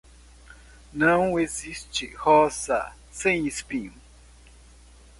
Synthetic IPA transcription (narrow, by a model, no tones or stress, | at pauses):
nɐ̃w̃ezist͡ʃɪhɔsɐ̰ | sẽj̃ispĩɲũ